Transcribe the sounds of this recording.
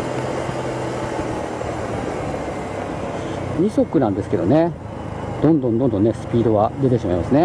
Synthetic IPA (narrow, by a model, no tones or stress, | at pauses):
ɲ̟iso̞kɯ̟nãnd̪e̞sɨ̥ke̞d̪o̞ne̞ | d̪̥õ̞nd̪õ̞nd̪õnd̪õ̞nːesɨ̥pʲiːd̪o̞βad̪e̞t̪e̞ɕimaimasɨne̞